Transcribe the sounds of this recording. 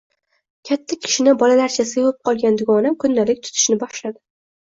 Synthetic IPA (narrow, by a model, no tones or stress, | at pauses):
kʲʰat̪ʰːakʲʰɪ̥ʃɪnɪbɒlalaɾt͡ʃʰasɨvap̚qʰɒlˠɡʲand̪ʊɡɒnamkʰʊnːalɪk̚ʲt̪ʰʊ̥t̪ʰɪ̥ʃnɪbaχʃlad̪ɪ